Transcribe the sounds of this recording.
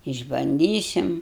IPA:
ɪʒbɐnʲˈdʲiːsʲɪm

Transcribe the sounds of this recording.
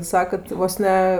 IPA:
ˈsɑːkɐt ˈʋoːs nʲɛ

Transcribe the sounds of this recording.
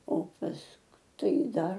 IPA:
oː ˈpɐsk ˈtɐɪ ˈdɐr

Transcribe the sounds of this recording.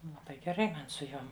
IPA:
lˠɐˈbɐɪ ɡʲɛˈrɐɪ ˈmɐn sʊ ˈjoːm

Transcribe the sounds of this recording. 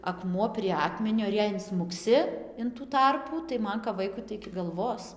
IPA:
ɐˈkmuɔ pʲrʲiɛ ˈɑːkmʲɛnʲoː ɪr ˈjɛɪ ɪnsmʊkˈsʲɪ ɪn tuː ˈtɐrpuː tɐɪ ˈmɐn kɐp ˈʋɐɪkʊ tɐɪ ɪkʲɪ ɡɐlˠˈʋoːs

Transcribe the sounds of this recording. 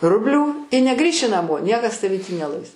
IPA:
ˈrʊbʲlʲuː ɪ nʲɛˈɡrʲiːʃʲɪ nɐˈmoː ˈnʲiɛkɐs tɐˈʋʲiː tʲiː nʲɛˈlˠɐɪs

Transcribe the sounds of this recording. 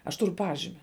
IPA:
ɐʃ ˈtʊrʊ ˈpɑːʒʲɪmʲɪ

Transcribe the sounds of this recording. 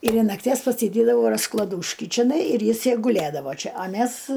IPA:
ɪr ɪn nɐkˈtʲiɛs pɐsʲɪˈdʲeːdɐʋɐʊ rɐsklˠɐˈduːʃʲkʲɪ t͡ʃʲɪˈnɐɪ ɪr ˈjɪs ˈjɛj ɡʊˈlʲeːdɐʋoː ˈt͡ʃʲɪ ɐ ˈmʲæs

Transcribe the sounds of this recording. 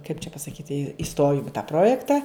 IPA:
kɐɪp t͡ʃʲɛ pɐsɐˈkʲiːtʲɪ ɪˈstoːjʊm ɪ tɑː ˈproːjɛktɐ

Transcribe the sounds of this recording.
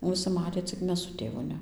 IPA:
ʋʲɪˈsʲɪ ˈmɑːtʲeː t͡sʲɪk ˈmʲɛs sʊ ˈtʲeːʋʊ ˈnʲɛ

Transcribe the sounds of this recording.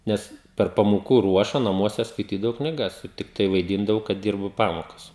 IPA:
ˈnʲɛs pʲɛr pɐmoːˈkuː ˈruɔʃɐ nɐˈmuɔsʲɛ skɐɪˈtʲiːdɐʋɐʊ knʲɪˈɡɐs ˈtʲɪktɐɪ ʋɐɪˈdʲiːndɐʋɐʊ kɐt ˈdʲiːrbʊ ˈpɑːmoːkɐs

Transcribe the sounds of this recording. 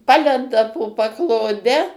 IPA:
ˈpɑːlʲɛndɐ poː pɐklˠoːˈdʲɛ

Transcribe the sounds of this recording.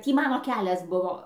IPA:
ˈtʲiː ˈmɑːnoː ˈkʲæːlʲɛs ˈbʊʋoː

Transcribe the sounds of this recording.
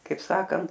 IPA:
ˈkɐɪp ˈsɑːkɐnt

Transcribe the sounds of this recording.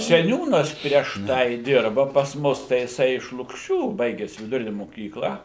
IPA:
sʲɛˈnʲuːnɐs pʲrʲiɛʃ ˈtɐɪ ˈdʲɪrbɐ pɐs ˈmʊs tɐɪ jɪˈsɐɪ ɪʃ lˠʊkˈʃʲuː ˈbɐɪɡʲɛs ʋʲɪdʊˈrʲɪnʲɛ moːˈkʲiːklˠɐ

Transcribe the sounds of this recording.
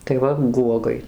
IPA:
tɐɪ ˈʋɐ ˈɡuɔɡɐɪ

